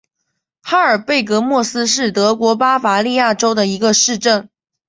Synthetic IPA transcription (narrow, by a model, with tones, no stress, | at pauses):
xa˥ə˞˨˩pe˥˩ɪkɤ˧˥mwɔ˥˩sɹ̩˥ʂɻ̩˥˩t̪ɤ˧˥kwɔ˧˥pa˥fa˧˥li˥˧ja˥˩ʈ͡ʂo˥ʊd̪ə˨i˧˥ɡə˧ʂɻ̩˥˧ʈ͡ʂə˥˩n